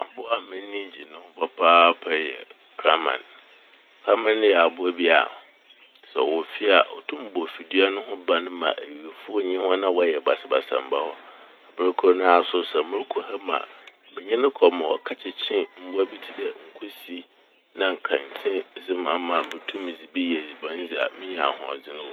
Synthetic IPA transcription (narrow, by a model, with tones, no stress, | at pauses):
a˨bʊ˦a˨mɪ̃˦nĩ˦d͡ʑi˨nʊ̃˦ʊ˦pʰa˦pʰa˦pʰɛ˦jɛ̰˨ | kʰɾa˦mã̰˨n | kʰɾa˦mã˦ñ˦jɛ˨a˨bʊ˦æ˦bi˦a̰˨ | sɛ̰˨wɔ˨fi˦a˨ʔɔ̰˨tʰũ˦m˦bɔ˨fi˨di˦a˦nʊ̃˦ɦʊ̃˦ba˦nʊ̃˦mã̰˨ʔæ˨ɥi˨e˨fʊ˦ɔ˦ɲɪ̃˦hɔ̃˦nã˦wɔ˦jɛ˨ba˨sɪ˦ba̰˨sã̰˨m˨ba˦hɔ˦ | a˨bɪ˨˦a˦kʰʊ˦nʊ̃˦a˨sʊ˦sɛ˨mʊ̃˦ɾkʰu˨ha˦mã̰˨ | mɪ̃˨ɲɛ̃˦nʊ̃˦kʰɔ˨mã˨wɔ̰˨kʰa˦t͡ɕʰɪ˨t͡ɕʰɪ̃˦m̩˦bʊ˦a˦bi˦tʰi˦dɛ˦ŋ̩˨kʰu˦si˦ | nã˦ŋ̩˨kʰã˨n˨tʰɪ̃˦d͡zɪ˦mã˨mã˨mɪ˨tʰũ˦mɪ̃˨d͡zi˨bi˦jɛ˨d͡zi˨bã˦n˦d͡zi˨a̰˨mɪ̃˦ɲɛ̃˨a̰˨hʊ̰̃˨a̰˨d͡zɪ˦nʊ̃˦wɔ˦